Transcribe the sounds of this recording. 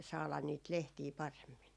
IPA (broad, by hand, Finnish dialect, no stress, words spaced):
sɑːlɑn niːt lehtiː pɑremːin